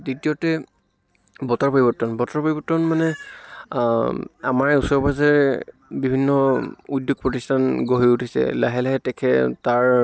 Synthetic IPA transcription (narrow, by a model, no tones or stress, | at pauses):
ditiɔtɛ | bɔtaɹpɔɹibɔtːɔnbɔtaɹpoɹibɔtːɔnmanɛ | a̰maɹusɔɹbazɛɹ | bibʱinːɔudjoɡ̚pɹɔtistʰanɡoɦiutʰisɛ̰laɦɛlaɦɛtɛkʰɛtaɹ